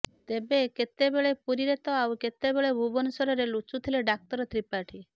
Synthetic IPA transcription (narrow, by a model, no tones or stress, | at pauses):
t̪ebeket̪ebeɭepuɾiɾet̪ɔawket̪ebeɭebʱubɔnɔsɔɾɔɾelut͡ʃut̪ʰileɖak̚t̪ɔɾɔt̪ɾipaʈʰi